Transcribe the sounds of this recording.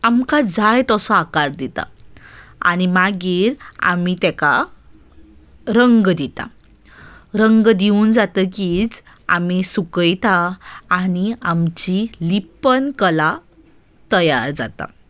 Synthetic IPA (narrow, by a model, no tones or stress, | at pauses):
amkad͡zajt̪ɔsɔakaɾd̪it̪a̰ | a̰nimaɡiːɾa̰mit̪ɛ̃ka | ɾəŋɡd̪it̪a̰ | ɾəŋɡd̪iund͡zat̪əkid͡z | a̰misukəjt̪aː | niamt͡ɕilipənkəla | t̪əjaɾd͡za̰t̪a̰